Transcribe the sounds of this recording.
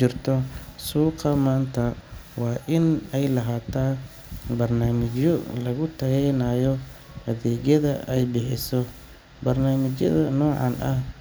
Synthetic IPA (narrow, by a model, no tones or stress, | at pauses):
ɪrt̪ʰɔsuːqɑmaːnt̪ʰɐ | wɑːʔɪnɛjlɐɦaːt̪ʰaː | bɐrnaːmɪt͡ʃɔlɐɣʊt̪ʰɐɣɛjnaːjɔ | hɐðɛːɣjɐðɐʔɛjbɪħɪsɔ | bɐrnaːmɪt͡ʃɐ̰ðɐnɔːʕɑ̰nʔɐh